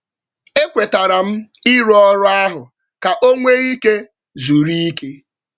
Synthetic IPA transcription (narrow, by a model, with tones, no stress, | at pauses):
e˦kʷe˨ta˨ɾa˨m̩˦i˦ɾɔ˦ɾʊ˦a˦ɦʊ˨ | ka˨ʔo˦ŋʷe˦ɣi˦ke˦ | zu˨ɾi˦i˦ke˦